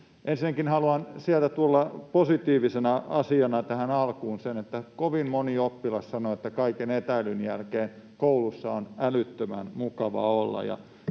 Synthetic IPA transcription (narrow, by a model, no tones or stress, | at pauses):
ʔensinækinhɑluɑnsiælt̪æt̪uolːɑposit̪iːʋisenɑɑsiɑnɑt̪æhænɑlkuːnsenet̪ːækoʋimmoniopːilɑssɑnoet̪ːækɑikenet̪æilynjælkeːn | koulusːɑonælyt̪ːømæ̰nmukɑʋɑ̰olːɑ̰jɑ̰